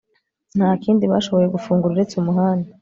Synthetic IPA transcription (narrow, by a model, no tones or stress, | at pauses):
n̥haːkiːndiβaʃo̞βo̞je̞ɡufuːŋɡuɾuɾe̞t͡sumuɦaːna